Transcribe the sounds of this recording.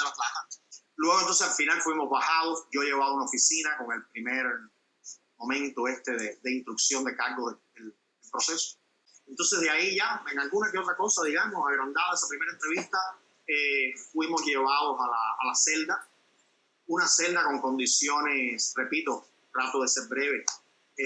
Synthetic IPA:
elaplasa | lweɣont̪o̞nsealfinalfwimo̞zβahaðosɟ͡ʝo̞ʝe̞βaβaunaofisinako̞ŋe̞lpɾimeɾ | mõ̞mẽnt̪oe̞st̪e̞ðed̪einst̪ɾuksjo̞nd̪e̞kaɾɡoðed̪el | d̪elpɾoseso̥ | ent̪o̞ns̬e̞zðeaiʝaeŋalɡunakeo̞t̪ɾako̞saðiɣamosaɣɾond̪aðaesapɾime̞ɾaent̪ɾe̞βist̪a | efwimosʝe̞βaðosala̰ːlase̞ld̪a | unase̞ld̪ako̞ŋko̞nd̪isjo̞nesre̞pit̪o̞ | t̪ɾat̪oðe̞seɾbɾe̞βe̞

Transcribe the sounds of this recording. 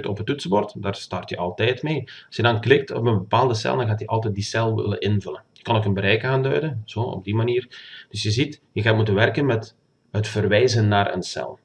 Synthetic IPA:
tɔpɦətʉtsəbɔrtdaːrstɑrtjəʔɑlˠtɛjtmeːɑsjədɑnklɪk̚tɔ̰pənbəpaːlˠdəsɛ̰lˠdɑnɣaːtjəʔɑlˠtɛt̚disɛlˠʋɪ̰lə̰nʔɪnvɵlənjəkɑnoːkənbəɾɛjkaːndœ̰ɥdənz̥oːɔ̰b̚dimaniːrd̥ɵsjəzitjəɣaːtmutənʋɛrkənmɛt | ɦətfərʋɛjzənːaːrə̰nsɛ̰lˠ

